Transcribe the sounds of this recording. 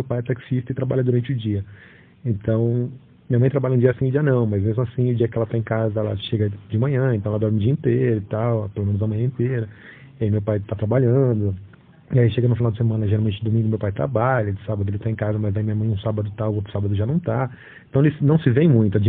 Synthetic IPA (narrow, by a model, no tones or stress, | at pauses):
ewpajɛt̪aksist̪ɐɪt̪ɾabaʎɐd̪ʊɾɐ̃nt͡ʃɪʊd͡ʒiɐ | ẽnt̪ɐ̃w̃ | miɲɐmɐ̃j̃t̪ɾabaʎɐũd͡ʒiɐasĩʊd͡ʒiɐnɐ̃w̃mɐzmezmʊasĩʊd͡ʒiɐkɪɛlɐt̪aẽkazɐɛlɐ̰ʃeɡɐd͡ʒɪmɐ̃ɲ̃ɐ̃ẽt̪ɐ̃ɛlɐd̪ɔɾmɪd͡ʒiẽnt̪eɾʊɪt̪awpelomẽnʊzɐmɐ̃j̃ɐ̃ẽnt̪eɾɐ | iaimewpajt̪at̪ɾabaʎɐ̃d̪ʊ | iaiʃeɡɐnʊ̃finawd͡ʒɪsemɐ̃nɐʒeɾawmẽnt͡ʃɪd̪omĩɡʊmewpajt̪ɾa̰baʎɐd͡ʒɪsabɐd̪ʊelɪt̪aẽkazɐmɐzd̪aimĩɲɐmɐ̃j̃ɐũsabɐd̪ʊt̪awot̪ɾʊ̥sabɐd̪ʊʒanɐ̃w̃t̪a | ẽt̪ɐ̃w̃elɪsnɐ̃w̃sɪvẽj̃mũj̃t̪ʊad͡ʒi